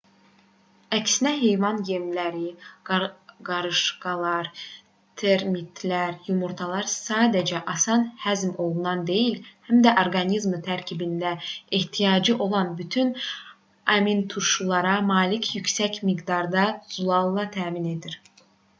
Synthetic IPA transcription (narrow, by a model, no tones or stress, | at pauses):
æcsinæɦe̞jvɑnjemlæɾi | ɡɑɾɯʃɡɑlˠɑɾ | t̪ʰeɾmit̪ʰlæɾjumuɾt̪ʰɑlˠɑɾsɑːd̪æd͡ʒæʔɑsɑnhæzmo̞lˠunɑnd̪e̞jilhæmd̪æʔo̞ɾɡɑnizmt̪ʰæɾcʰibind̪æiht̪ʰijɑːd͡ʒɯʔo̞lˠɑnbyt̪ʰyn | ɑmint̪ʰuʃulˠɑɾɑmɑːlicʰjycsæcmiɡd̪ɑɾd̪ɑz̥ulˠɑlˠːɑt̪ʰæːmine̞d̪iɾ